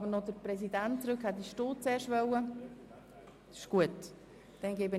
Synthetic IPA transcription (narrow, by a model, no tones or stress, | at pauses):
bənɔdəɾpɾɛs̬idæntt͡sɾɵkhɛt̚diʃtoːt͡seːɾʃʋœwə | ɪ̥ʃɡ̥uət | d̥ɛnɡeːbə